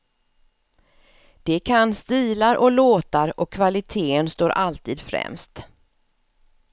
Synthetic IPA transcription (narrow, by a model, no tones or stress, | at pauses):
d̪̥ɛkʰanst̪iːlaɾʔɔloːt̪aɾɔkʰːvalɪt̪ʰeːənst̪oːɾʔalt̪ʰiːd̪fɾɛ̰mst̪